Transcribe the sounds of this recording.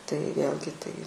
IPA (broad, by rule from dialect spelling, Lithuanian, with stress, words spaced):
tɐɪ ˈʋʲeːlʲɡʲɪ ˈtɐɪ